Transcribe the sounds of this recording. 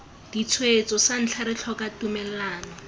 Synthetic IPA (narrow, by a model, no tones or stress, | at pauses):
d̥it͡sʰwet͡sɔsan̩t͡ɬʰaɾɪt͡ɬʰɔkatumɛl̩aːnɔ